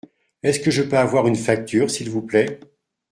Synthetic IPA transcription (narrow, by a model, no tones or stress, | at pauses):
ɛskəʒəpøavwaʁynfak̚t̪yːʁsilvuplɛ